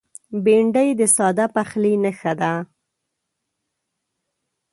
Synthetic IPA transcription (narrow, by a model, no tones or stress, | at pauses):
beɳɖəjd̪əsɑd̪apaxlinəxad̪a